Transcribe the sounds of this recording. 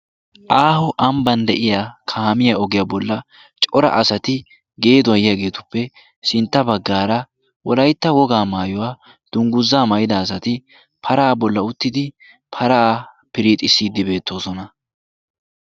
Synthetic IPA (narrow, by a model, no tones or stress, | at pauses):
ʔaːhɔʔɐmbɐnd̪ɛʔɪjaːkʰaːmɪjaɔɡɪjaːbɔlːɐ | t͡ʃʼɔɾɐ̰ʔɐsɐt̪ɪ | ɡe̞ːd̪ʊɐjɪjaɡe̞ːt̪ʊ̥pːɛ | sɪnt̪ːɐbɐɡːaːɾɐ | wɔlɐjt̪ːɐwɔɡaːmaːjɔwaː | d̪̥ʊŋɡʊzːaːmɐjɪd̪ɐːs̬ɐt̪ɪ | pʰɐɾaːbɔlːɐʊt̪ːɪd̪ɪ | pʰɐɾaː | pɪɾiːt̪ʼɪsːiːd̪ːɪbe̞ːt̪ːo̞ːsɔnɐ